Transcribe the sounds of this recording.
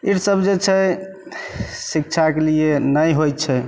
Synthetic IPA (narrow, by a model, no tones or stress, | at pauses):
iɾsəbd͡ʒet͡ʃʰɛ | sik̚t͡ʃʰakelienəjɦojt̪t͡ʃʰɛ